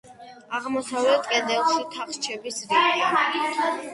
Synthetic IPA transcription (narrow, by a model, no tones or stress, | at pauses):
aʁmɔsavɛt̪ʼkʼɛd̪ɛlˠʃit̪ʰaχt͡ʃʰɛbisɾi